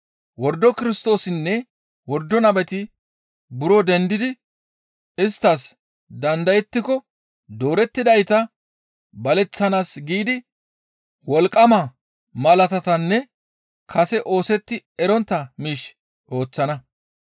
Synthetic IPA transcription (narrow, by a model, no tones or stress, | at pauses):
wɔɾd̪ːɔkɪɾɪst̪o̞ːsɪnːɛ | wɔɾd̪ːɔnɐbɛt̪ɪ | bʊɾɔd̪ɛnd̪ɪd̪ɪ | ɪst̪ːɐs | d̪ɐnd̪ɐjɛt̪ːɪkɔ | d̪o̞ːɾɛt̪ːɪd̪ɐjt̪ɐ | bɐlɛt͡sːɐnaːsɡiːd̪ɪ | wɔlkʼːɐmɐ | mɐlɐt̪ɐt̪ɐnːɛ | kʰɐsɛʔo̞ːsɛt̪ːɪɛɾɔnt̪ːɐmiːʃ | ʔo̞ːt͡sːɐnɐ